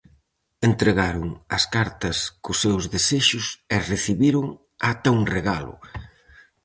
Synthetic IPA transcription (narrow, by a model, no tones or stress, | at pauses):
ent̪ɾeɣaɾʊŋɐ̰skaɾt̪ɐskʊsewzðeseʃʊsɛreθiβiɾʊŋ | at̪auŋreɣalʊ̰